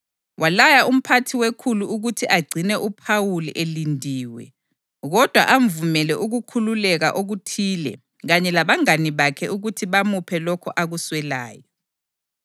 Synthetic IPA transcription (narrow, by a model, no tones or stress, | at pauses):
wʔalajaʔum̩pʰatʰiwekʰuluuɣutʰiʔaɡ͡ǀʱinɛʔupʰawuliʔelindʱiːwɛ̰ | ɣɔd̥ʱwa̰ʔaɱvumɛlɛʔuɣukʰululɛɣa̰ʔoɣutʰiːlɛ̰ | ɣaɲɛlaβaŋaniβakʰɛʔuɣutʰiβamupʰɛlɔkʰɔʔaɣuswɛla̰ːjɔ